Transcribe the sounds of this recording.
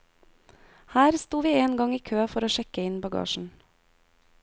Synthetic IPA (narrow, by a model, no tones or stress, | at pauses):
hæːɾst̪uːʋiːeːnɡɑŋiːkʰøːfɔɾoːʃɛkəɪnbɑɡɑ̰ːʃn̩